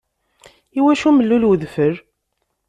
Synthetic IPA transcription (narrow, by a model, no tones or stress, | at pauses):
iwæʃuməlːulwəðfəɾ